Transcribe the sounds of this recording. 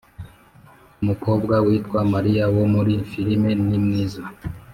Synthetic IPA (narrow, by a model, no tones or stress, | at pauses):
umuko̞ːbɡawiːtkwamaɾijawomuɾifiɾime̞nimŋiːza